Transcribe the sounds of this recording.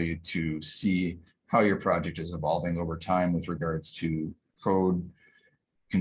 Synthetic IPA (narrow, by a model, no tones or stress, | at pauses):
jʉɾɨsi | haʊjə˞pʰɹ̥ɑd͡ʒɛk̚tɨzɨ̃vɑlˠvɪ̃ŋoʊvə˞tʰãɪ̃mwɨðɹɨɡɑɹdz̥tʰɨ | kʰoʊd̚ | kʰɨ̃n